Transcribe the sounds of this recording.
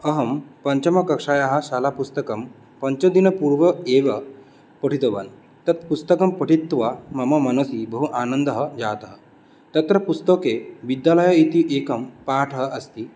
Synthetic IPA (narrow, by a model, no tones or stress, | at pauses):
əɦɐmpɐɲt͡ɕɐmɐkɐkʂajaɦaɕalapust̪əkəm | pəɲt͡ɕɐd̪inəpuɾʋəeʋə | pəʈʰit̪oʋa̰n | t̪ɐt̪pust̪əkɐmpəʈit̪ːʋamɐmɐmɐnusibəɦuʔanənd̪əɦəd͡ʑat̪ɦə | t̪ɐt̪ɾəpust̪əkeʋid̪jaləjəit̪iʔekəmpaʈʰɦəʔɐst̪iː